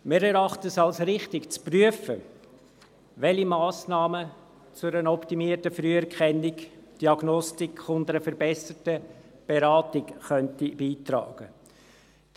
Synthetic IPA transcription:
mɪɾɛɾɑχtəsɑlsɾɪχtɪkt͡spryəfə | ʋɛlimɑːsnɑːmə | t͡sʊɾənɔptimiətəfɾyəɛɾkχɛnɪkd̥iɑɡnɔstɪkχʊndəɾəfəɾbɛsətə | b̥eɾɑːtɪkχœntib̥iːt̪ɾɑ̰ːɡ̥ə

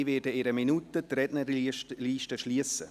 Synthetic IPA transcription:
ivɛːdəeɾəminutətɾɛdnəliːʃtəʃliəsə

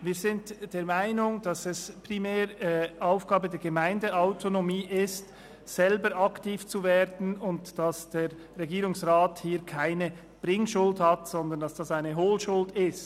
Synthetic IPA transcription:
viːzɪntd̥eːɐmaɪnʊŋd̥ɑsɛspʁimɛːɾaʊfɡ̥aːbədɛːɐɡəmaɪndəaʊtʰonomiːʔɪst | sɛlbəɾɑktiːft͡suveːɾdn̩ʊntd̥ɑsd̥eːʁːeɡiːɾʊŋsʁaːthiːɾkʰaɪnə | b̥ʁɪŋʃʊldhatsɔnd̪əndɑsd̥ɑsaɪnəɦoːlʃʊldɪst

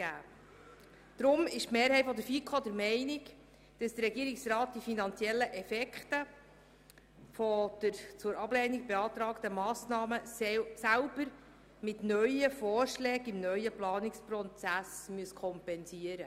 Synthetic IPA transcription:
æː | d̪̥ɾʊmɪʃtmeːɾɦɛɪtfɔd̪əɾfikʰod̪əɾmɛɪnɪk | d̥ɑsd̥ərɾɛɡiəɾɪksrɑːt̚d̥ifinɑnt͡sjɛlːəʔɛfɛkχtə | fɔd̪̥əɾt͡sʊːɾɑblɛːnɪɡ̚beɑːt̪ɾɑːktəmɑːsnɑːməsælb̥əɾ | mɪtnœʏəfɔːrʃlɛːɡɪmnœʏəplɑːnɪksprɔt͡sæsmyəskʰɔmpɛnsiəɾə

